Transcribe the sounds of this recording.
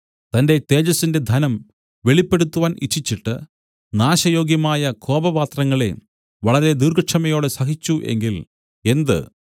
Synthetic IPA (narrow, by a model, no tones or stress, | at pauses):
t̪ɐnde̞t̪e̞ːd͡ʑɐsːinde̞d̪ʱɐnɐm | ʋe̞ɭipːe̞ɽut̪ːuʋaːnʔḭtʰːit͡ɕːiʈːɨ̰ | naːɕɐjo̞ːɡjɐmaːjɐkʰo̞ːbɐʋaːt̪rɐŋːɐɭe̞̰ | ʋɐɭɐɾe̞d̪urɡɐʈʂɐmɐjo̞ːɽesɐɦit͡ɕːuʔe̞̰ŋɡil | e̞nd̪ɨ̰